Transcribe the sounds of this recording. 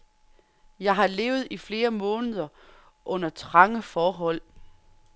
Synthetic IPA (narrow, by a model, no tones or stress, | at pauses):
jɑ̈ɪɦɑ̈le̝ːʊð̞̩ˠifle̝ːɐmɔ̽ːnəð̞ˠɐ | ʔɔ̽n̰ɐt͡sʰʁɑ̈ŋəfɒːɦɒ̽l̰